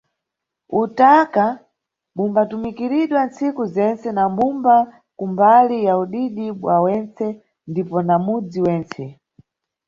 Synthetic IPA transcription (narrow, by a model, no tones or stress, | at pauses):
utaka | ɓumbatumikiɾiɗwant͡sikuzɛnt͡sɛnambumba | kumbalijauɗiɗiɓwawɛnt͡sɛ | ndipɔnamud͡ziwɛːnt͡sɛ